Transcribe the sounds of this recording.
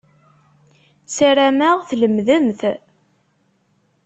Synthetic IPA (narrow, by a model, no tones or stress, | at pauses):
sæɾæmæʁθləmðəmθ